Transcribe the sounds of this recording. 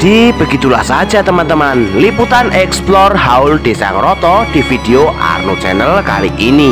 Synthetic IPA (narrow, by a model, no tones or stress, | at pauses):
d̪̥ib̥ə̤ɡit̪ulahsḁd͡ʒ̥at̪əmant̪əmanliput̪anʔɛksplɔrhaʊld̪̥esa̰ŋrɔt̪ɔd̥ifid̥eoʔa̰rnot͡ʃɛnəlka̰liʔini